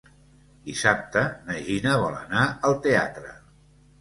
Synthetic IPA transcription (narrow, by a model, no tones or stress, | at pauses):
d̪isap̚t̪ənəʒinəβɔlə̰naəlˠt̪ea̰t̪ɾə